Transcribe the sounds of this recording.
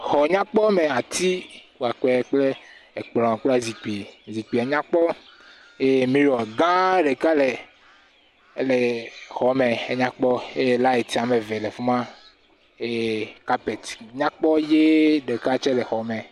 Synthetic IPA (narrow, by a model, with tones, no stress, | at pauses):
xɔ˨ɲã˦k͡pɔ˦me˨a˨t̪ʰi˦wu˨a˨k͡pɛ˨˦k͡ple˦e˨k͡plɔ̃˨k͡pla˦zi˨k͡pi˨zi˨k͡pi˨a˨ɲã˦k͡pɔ˦ | je˦mĩ˦ɾɔ˨ɡã˦ɖe˨ka˦le˨˦ | le˨xɔ˨mẽ˨e˦ɲã˦k͡pɔ˦e˦˨la˦e˨t̪i˨a˨me˨vɛ˨lɛ˨fu˦mã˦ | e˦ka˦pɛ˨t̪ɲã˦k͡pɔ˦je˦ɖe˨ka˦t͡ʃɛ˦ɖɛ˨xɔ˨me˨